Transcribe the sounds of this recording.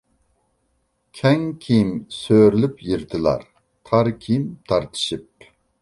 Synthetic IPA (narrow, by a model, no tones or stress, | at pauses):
kʲʰɛŋkʲʰijmsøɾlypjiɾt̪ʰɨlˠɑ̰ɾ | t̪ʰɑɾkʲʰijimt̪ʰɑɾt̪ʰɨ̥ʃɨp̚